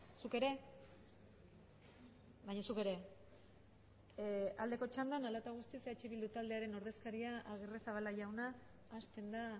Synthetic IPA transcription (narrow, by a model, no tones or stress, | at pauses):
suke̞ɾe̞ | βajɲasuke̞ɾe̞ | ald̪e̞ko̞t͡ʃand̪analat̪aɣust̪iseat͡ʃiβild̪ut̪ald̪e̞aɾe̞no̞ɾðe̞skaɾiaaɣeresaβalaʝawnaː | st̪e̞nd̪a